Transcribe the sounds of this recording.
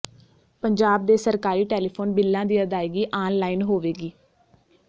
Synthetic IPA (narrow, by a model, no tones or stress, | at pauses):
pəɲd͡ʒaːb̚d̪eːsəɾkaːɾiːʈeːliːpʰoːnbɪlːãːd̪iːəd̪aːiːɡiːʔaːnlaːiːnɦoːʋeːɡiː